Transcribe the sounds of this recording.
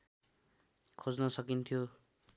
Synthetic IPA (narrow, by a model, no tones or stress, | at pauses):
kʰod͡znʌsʌkint̪ʰijo